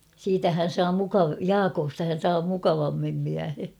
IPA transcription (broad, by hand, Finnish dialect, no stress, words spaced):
siːtæ hæn̞ sɑː mukɑʋ jɑːkostɑ hæn̞ sɑː mukɑʋɑmːim miæhe